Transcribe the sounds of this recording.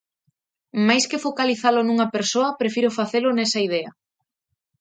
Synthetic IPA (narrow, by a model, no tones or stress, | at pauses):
majskɪfokaliθalʊnuŋɐpeɾsoɐpɾefiɾʊfaθelʊnɛsɐið̞ɛɐ